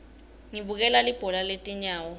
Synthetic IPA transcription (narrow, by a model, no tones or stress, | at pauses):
ŋiɓuk̬ɛlalib̥ʱɔlaletʼiɲaːwɔ